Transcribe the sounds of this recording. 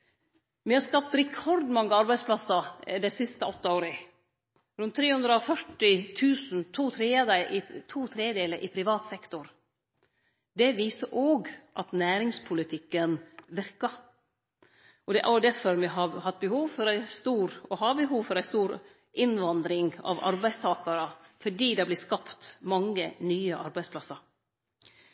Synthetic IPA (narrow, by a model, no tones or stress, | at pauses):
mɪhɑɾskɑp̚t̪ɾɛkʰɔɾd̪mɑŋːəɑɾbæɪd̪splɑsəd̪æɪsɪst̪əɔt̪ːəoːɾə | ɾʉnt̪ʰːɾeːhʉnd̪ɾəɔfœʈɪt̪ʰʉːsn̩t̪ʰuːt̪ʰɾeːəd̪əʔɪt̪ʰuːt̪ʰɾeːd̪eːləʔɪpʰɾɪʋɑːt̪sɛkt̪ʊɾ | d̪ɛʋiːsəʔoːɡʔɑt̪næːɾɪŋspʰʊlɪt̪ʰɪkːənʋɪɾkɑ | ʔɔd̪ɛʔæ̰d̪æfɔɾmɛɦɑhɑt̪̚ːbəhuːʋfɔɾæɪst̪uːɾɔhɑbəɦuːʋfɔɾæɪst̪uːɾ | ʔɪnʋɑnd̪ɾɪŋɑ̰ʋɑ̰ɾbæɪst̪ʰɑːkɑɾəfɔɖiːd̪ɛblɪskɑpt̪mɑŋːənyːəʔɑ̰ɾbæɪspʰlɑsɑɾ